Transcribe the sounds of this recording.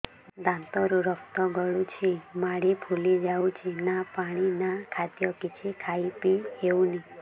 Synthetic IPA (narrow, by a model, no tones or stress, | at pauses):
d̪ãnt̪ɔɾuɾəpt̪ɔɡəɭũt͡ʃʰimaɽipʰulid͡ʒaũt͡ʃʰinapaɽ̃inakʰat̪jɔkit͡ʃʰikʰaipiɦeũni